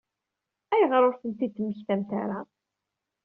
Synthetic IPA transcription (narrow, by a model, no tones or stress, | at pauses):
æjʁɾˤʊɾθənt̪iθmːəçθæmt̪a̰ɾa